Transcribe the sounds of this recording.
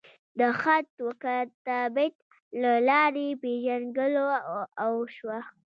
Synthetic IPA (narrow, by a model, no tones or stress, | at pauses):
d̪əxat̪wakat̪abɪt̪ | lalɑɾepeʒanɡəloawʃwa